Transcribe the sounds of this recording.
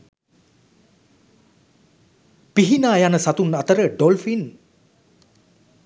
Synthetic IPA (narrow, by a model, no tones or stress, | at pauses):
piɦinaːjanəsat̪unat̪əɾəɖɔlfin